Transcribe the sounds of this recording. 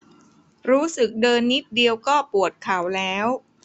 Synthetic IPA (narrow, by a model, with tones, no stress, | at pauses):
ɾuː˦˥sɯ˨˩k̚dɤː˧nːi˦˥t̪̚di˧əwkɔː˥˩pu˨˩ət̪̚kʰa˩˦wlɛː˦˥w